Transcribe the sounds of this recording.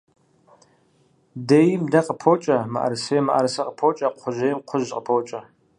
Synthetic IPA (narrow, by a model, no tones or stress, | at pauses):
dejɪmdɐqəpʰoːt͡ʃʼɐmɐ̰ʔɐ̰ɾsejɛmɨʔɐ̰ɾsɐqəpʰoːt͡ʃʼɐqʷʰʊʒejɪmqʷʰʊʑqəpʰoːt͡ʃʼɐ